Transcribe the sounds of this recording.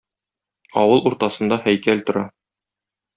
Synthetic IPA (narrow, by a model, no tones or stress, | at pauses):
ɒwɤlˠuɾt̪ɑsɤ̆nd̪ɑhæjkælt̪ŏɾɑ